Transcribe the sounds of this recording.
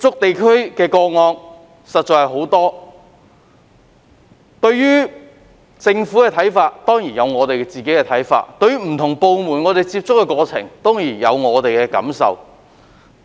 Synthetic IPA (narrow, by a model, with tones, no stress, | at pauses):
t͡sʊ˥k̚t̪e˨jkʰɵ˥ɥkɛː˧kɔː˧ŋɔː˧n | sɐ˨t̚t͡ʃɔː˨˧hɐ˨˧jɦo˨˥wt̪ɔː˥ | t̪ɵ˧ɥɥyː˥ | t͡sɪ˧ŋfuː˨˥kɛː˧t̪ʰɐ˨˥jfaː˧t̚t̪ɔː˥ŋjiː˨˩njɐ˨˧wŋɔː˨˧t̪e˨jkɛ˧t͡siː˨˩ke˨˥jkɛ˧t̪ʰɐ˨˥jfa̰ː˧t̚t̪ɵ˧ɥyː˥m̩˨˩t̪ʰʊ˨˩ŋpo˧wmuː˨˩nŋɔː˨˧t̪e˨jt͡siː˧p̚t͡sʊ˥kːɛː˧kɔː˧t͡sʰɪ̰˨˩ŋt̪ɔː˥ŋjiː˨˩njɐ̰˨˧wŋɔː˨˧t̪e˨jkɛː˧kɐ̰˨˥msɐ̰˨w